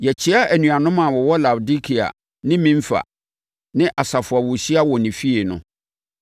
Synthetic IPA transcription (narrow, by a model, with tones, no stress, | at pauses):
jɛ˨t͡ɕʰɪ˦a˦ʔæ˨nũ˨a˨nʊ̃˦mã˨wɔ˨wɔ˦la˨di˦kʰi˨a̰˨ | nɪ̃˦mĩ˦m̩˦fa̰˨ | nɪ̃˦ʔa˨sa˨fʊ˨a˨wʊ˨ɕi˦a˦wɔ˨nɪ̃˨fi˦e˨nʊ̰̃˨